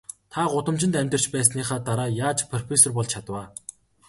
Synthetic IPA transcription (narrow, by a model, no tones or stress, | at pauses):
t̪ʰaɢʊt̪ə̆mt͡ɕɪ̆nt̪æmʲt̪ər̥t͡ɕpæːs̬niːχaːt̪aɾaːjaːt͡ɕpʰɔrpesɔrpɔɮt͡ɕʰat̪waː